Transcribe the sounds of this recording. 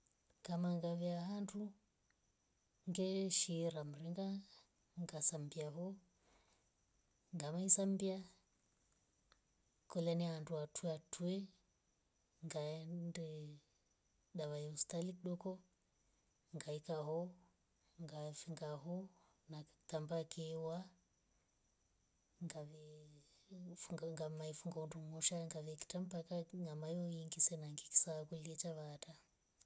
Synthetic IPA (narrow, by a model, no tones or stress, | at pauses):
ŋkamaŋɡaβiaɦandu | ŋɡɛʃiɾam̩ɾiŋɡa | ŋɡasambiaɦɔ | ŋɡamaisambia | kɔlanianduatʰuɛatʰuɛ | ŋɡandɛ | ɗaβaiustalikɗɔkɔ | ŋɡaikaɦɔ | ŋɡafiŋɡaɦɔ | nat̪ambakɛwa | ŋɡaβɛ | fuŋɡaŋɡamaifuŋɡaundumɔʃaŋɡaβɛki̥tam̩pakaŋamajɔjiŋɡisɛnaŋɡiki̥saːkuliɛt͡ʃaβaːta